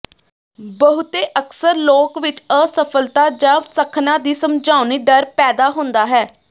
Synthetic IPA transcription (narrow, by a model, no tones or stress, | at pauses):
bəɦʊt̪eːʔəksəɾloːkʋɪt͡ʃəsəpʰəlt̪aːd͡ʒãːsəkʰnãːd̪iːsəmd͡ʒaːʊniːɖ̪əɾpɛːd̪aːɦʊ̃nd̪aːɦɛː